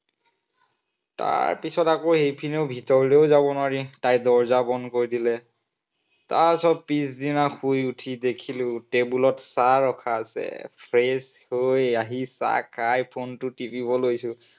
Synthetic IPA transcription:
ta̰ɹpisɔtakohejpʰineʊbʱitɔɹleʊzabɔnaɹitajdɔɹzabɔnkoɹidilɛ | tasɔb̚pis̬dinaxʰujutʰidekʰilʊtebulɔtsaɹɔkʰaːsɛ̰pʰɹeshojaɦisa̰kʰajpʰontʊtipibɔlojsʊ̃

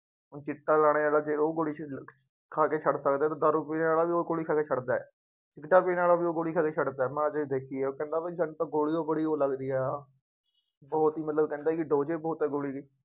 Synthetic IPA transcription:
t͡ʃɪʈːaːlaːɽ̃eːaːlaːd͡ʒeːoːɡoːɽiː | kʰaːkeːt͡ʃʰəɽsəkd̪eɛːt̪ãːd̪əɾʊpeːaːlaːʋiːoːɡoːɽiːkʰaːkeːt͡ʃʰəɽd̪aːɛ̰ː | t͡ʃɪkʈaːpeːnaːlaːbiːoːɡoːɽiːkʰaːkeːt͡ʃʰəɖd̪aːɛːmɛ̃ːəd͡ʒd̪eːkʰiːeːoːkɛ̃ːnd̪aːpaisənt̪ãːɡoːɽiːoːbəɽiːoːləɡd̪iːɛː | bɔːt̪iːmət̪ləbkɛ̃ːnd̪aːɛːkɪɖoːd͡ʒeːbɔːt̪ɛːɡoːɽiːɡeː

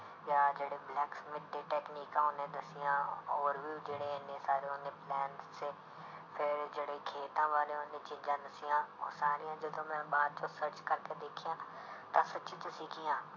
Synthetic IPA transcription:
jaːd͡ʒeːɽeːblɛːksmɪʈːeːʈɛːkniːkãːʊnẽːd̪əsɪjãːɔːɾʋiːd͡ʒeːɽeːənẽːsaːɾeːʊnẽːplɛːnseː | pʰɪɾd͡ʒeːɽeːkʰeːt̪ãːʋaːɾeːʊnẽːt͡ʃɪ̃ɲd͡ʒãːd̪əsɪjãːɔ̰ːɾsaːɾijãːd͡ʒəd̪õːmɛ̃ːbaːd̪̚t͡ʃõsəɾt͡ʃkəɾkeːd̪eːkʰɪjãː | t̪ãːsət͡ʃĩːt͡ʃəsiːkʰɪjãː

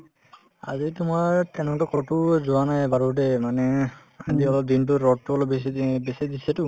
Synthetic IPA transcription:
a̰d͡ʒit̪umaɹt̪enɔʈɔkɔʈud͡ʒuanajbaɾuʈemane | a̰d͡ʒiɔlɔd̪inʈuɾɔʈːuɔlɔbesbesid̪iseʈu

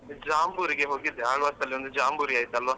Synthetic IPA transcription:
d͡ʒaːmbuːɾiɡeɦoːɡid̪ʱaːɭʋast̪ɐliond̪ud͡ʒaːmbuɾiaːjt̪ɐlʋaː

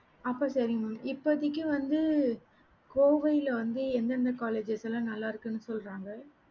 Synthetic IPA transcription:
ɐpːɐːsɐɾɪmɐmɪpːɐðɪkːɯʋɐnd̪ɯ | koːʋɐjɪlɐʋɐnd̪ɯɛnd̪ɐnd̪ɐkaːleːd͡ʒɛsɛlãnɐlːaːɪɾɯkːɯnːɯsɔlɾaːŋɡɐ

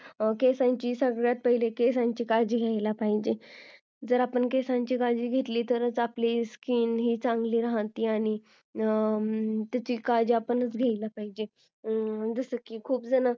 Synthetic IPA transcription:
kesãɲt͡ɕiːsəɡɭjat̪̚pəɦilekesãɲt͡ɕiːkad͡ʑiːɡʱjajlapaɦid͡ʑe | d͡zəɾapəɳkesãɲt͡ɕiːkad͡ʑiːɡʱet̪liːt̪əɾət͡sapliskiːnɦiːt͡sãŋɡliːɾəɦə̃t̪iːaɽ̃i | t̪jat͡ɕiːkad͡ʑiapənət͡sɡʱejlapaɦid͡ʑe | d͡zəsəkikʰuːpd͡zəna

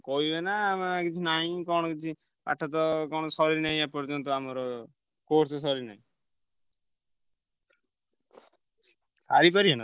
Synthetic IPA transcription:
kɔienamakit͡ʃʰinaĩkɔ̃ɔkit͡ʃʰi | pa̰ʈʰɔt̪̬ɔkɔɽ̃ɔsɔɾinaĩãpɔɾd͡ʒɔnt̪ɔamɔɾɔ | koɾses̬ɔɾina̰ĩ | saɾipɔɾiɦena

